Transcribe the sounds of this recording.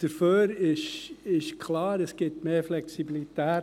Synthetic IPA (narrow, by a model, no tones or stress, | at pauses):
d̥əɾføːɾɪʃɪʃkʰlɑːɾəsɡ̥ɪtmeːɾflɛksibilit̪æː